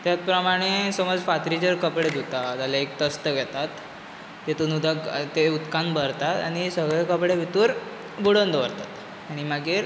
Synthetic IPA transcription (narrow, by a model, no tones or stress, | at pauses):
t̪jat̪̚pɾəmaɽ̃esəməd͡zfat̪ɾid͡ʑəɾkəpɽed̪ut̪ad͡zalaek̚t̪əst̪əɡɛt̪at̪ | jet̪unud̪ʱakt̪eut̪kãnbəɾt̪at̪aɽ̃isəɡɭekəpɽeʋʱit̪uːɾ | buɽənd̪ʋəɾt̪at̪ | aɽ̃iməɡiːɾ